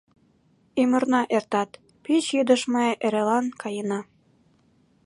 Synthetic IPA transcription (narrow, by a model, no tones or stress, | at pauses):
imə̆rnɑʔert̪ɑt̪ | pit͡ɕjyd̪əʃmɤeʔeɾelɑnkɑjənɑ